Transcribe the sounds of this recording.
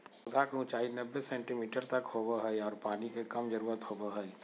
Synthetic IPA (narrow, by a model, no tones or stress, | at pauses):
ʊd̪ʱakeʊ̃t͡ʃaːinəbːesẽːɳʈimiːʈəɾt̪əkhoːbəɦəiɔːɾpaːnikekəmd͡ʒəɾuːɾət̪hobəɦəi